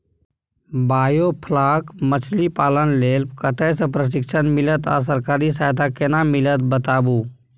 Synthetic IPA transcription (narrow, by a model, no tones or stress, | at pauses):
baːjoːpʰlaːkmət͡ʃʰlipaːlənleːlpkət̪ɛːsəpɾəʃ̬ɪkʃənmɪlət̪a̰ːs̬əɾkaːɾisaːɦjt̪ʰakenãmɪlət̪̚bət̪aːbuː